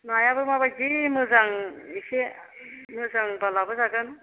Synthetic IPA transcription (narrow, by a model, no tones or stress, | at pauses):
najabɯmabazimɯzaŋise | mɯzaŋbalabɯzaɡɯn